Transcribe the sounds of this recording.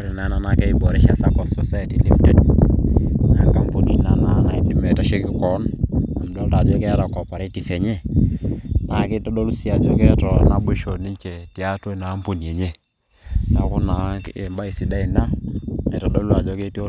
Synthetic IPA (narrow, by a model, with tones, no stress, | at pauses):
o˦ɾe˨na˨˦na˨na˨kɛ˦i˦bɔ˨ɾi˨˦ʃa˦sa˦kɔ˨sɔ˨sa˦ɛ˨ti˨li˦ptɛ˦n | a˨ŋka˨mpo˨ni˦na˨na˦na˨i˦di˨mɛ˨ta˨ʃe˦ki˦kɔ˨˦na˨mdɔ˦lta˨d͡ʒɔ˦kɛ˦ta˨kɔ˨pa˨ɾe˦ti˨fɛ˨ɲe˦ | nʔa˨ke˦tɔ˦ɗɔ˦lu˦si˦a˨d͡ʒɔ˦kɛ˦tɔ˨na˦ɓe˦˨ʃo˨ni˦ɲt͡ʃe˨ti˨a˦to˦na˨˦mpo˨nie˨ɲe˦˨ | na˨ku˦na˨ke˨mba˦i˨si˨˦da˦i˨na˦e˨tɔ˨ɗɔ˦lu˦a˨d͡ʒɔ˦ke˦ti˦o˦